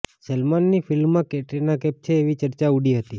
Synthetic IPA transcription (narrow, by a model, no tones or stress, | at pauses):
selmanːifɪlmːãkeʈenakɛp̚t͡ʃʰeːʋit͡ʃəɾt͡ʃauɽiɦət̪i